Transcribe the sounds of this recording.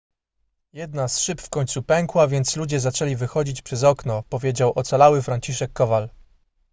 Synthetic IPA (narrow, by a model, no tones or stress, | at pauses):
jɛd̪nasʂɘpfkɔɲt̪supɛŋkwavʲjɛnt̪slud͡ʑɛzat͡ʂɛlʲivɘxɔd͡ʑit͡ɕpʂɛzɔknɔpɔvʲjed͡ʑawʔɔt̪salawɘfɾaɲt͡ɕiʂɛkːɔval